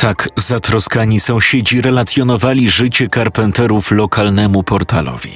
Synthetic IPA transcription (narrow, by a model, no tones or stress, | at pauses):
t̪akzat̪ɾɔskaɲisɔ̃w̃ɕed͡ʑiɾɛlat̪sʲjɔnɔvalʲiʐɘt͡ɕɛkaɾpɛnt̪ɛɾuflɔkʰalnɛmupɔɾt̪alɔ̰vʲi